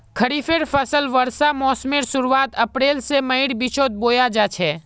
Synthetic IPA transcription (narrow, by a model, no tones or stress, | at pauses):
kʰəɽifeɽfʰəsəlʋəɾsamɔːsmeːɾsʊɾuaːt̪ɐpɾeːlsemɐɪɽbɪt͡ʃʰoːt̪̚boːjad͡ʒat͡ʃʰɛː